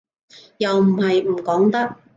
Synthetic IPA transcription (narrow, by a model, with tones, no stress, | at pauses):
jɐ˨wm̩˨˩hɐ˨jm̩˨˩kɔː˨˥ŋt̪ɐ˥k̚